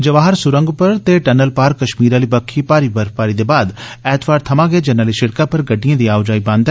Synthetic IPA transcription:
d͡ʒɐʋaːɦəɾsʊɾə̃ŋɡpɐɾt̪eʈɛnəlpaːɾkːɐʃmiːɾaːlibɐkʰːipaːɾibɐɾpaːɾid̪eːbaːd̪ɛːt̪ʰʋaːɾt̪ʰɐmãɡeːd͡ʒɐnaːliʃɪɽkapɐɾɡɐɖːijãːd̪iaːʋd͡ʒaːibãːnd̪

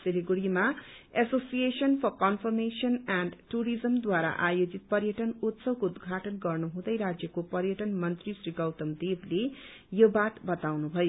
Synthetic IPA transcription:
seliɡuɽima | esosijesʌnpʰʌrkʌnfʰʌrmesʌnanɖʈuɾid͡zʌmd̪waɾa̰ʔajod͡zit̪̚pʌrjʌʈʌnut̪sʌwkoud̪ɡʱaʈʌnɡʌrnuɦũd̪ʌjɾad͡zjʌkopʌrjʌʈʌnmʌnt̪risriɡʌwt̪ʌmd̪eble | jobaʈbʌt̪awnubʱʌjo

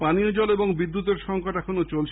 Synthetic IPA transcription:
paniod͡ʑɔleboŋbid̪ːut̪̬eɾʃɔŋkoʈɛkʰonot͡ɕolt͡ɕʰ

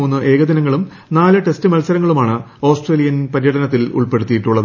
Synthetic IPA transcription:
oːnːɨʔe̞ːɡɐd̪inɐŋːɐɭum | naːlɨʈe̞stɨmɐlsɐɾɐŋːɐɭumaːɳɨ | o̞ːsʈreːlijɐnpɐɾijɐɽɐnɐt̪ːilṵɭpe̞ɽut̪ːijiʈːuɭːɐð

